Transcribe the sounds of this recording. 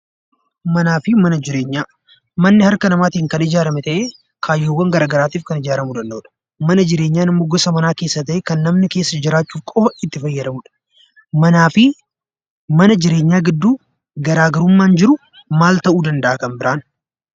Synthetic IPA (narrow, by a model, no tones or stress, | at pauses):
mɐnaːfɪmɐnɐd͡ʒɪɾe̞ːɲːaː | mɐnːɪhɐɾkɐnɐmaːt̪iːŋkɐnɪd͡ʒaːɾɐmɛt̪ɐʔeː | kʰaːjːoːwːɐŋɡɐɾaːɡɐɾaːt̪iːfkɐnɪd͡ʒaːɾɐmud̪ɐnd̪ɐᶑɐ̥ | mɐnɐd͡ʒɪɾe̞ːɲːaːnɪmːo̞ːɡɔsɐmɐnaːke̞ːsːɐt̪ɐʔɛkɐnːɐmnɪke̞ːsːɐd͡ʒɪɾaːt͡ʃːuːfkʼɔɪt̪ːɪfɐjːɐd̪ɐmuᶑɐ̥ | mɐnaːfɪ | mɐnɐd͡ʒɪɾe̞ːɲːaːɡɪd̪ːuː | ɡɐɾaːɡɐɾʊmːaːnd͡ʒɪɾʊ | maːlt̪ɐʔuːd̪ɐnd̪ɐʔaːkɐmbɪɾaːn